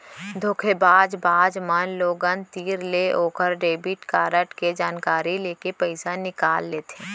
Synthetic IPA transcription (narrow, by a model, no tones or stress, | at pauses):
d̪ʱoːkʰebaːd͡ʒbaːd͡ʒmənloːɡənt̪iːɾleʔoːkəɾɖeːbɪʈkaːɾəʈked͡ʒaːnkaːɾileːkepɛɪsanɪkaːlːeːt̪ʰeː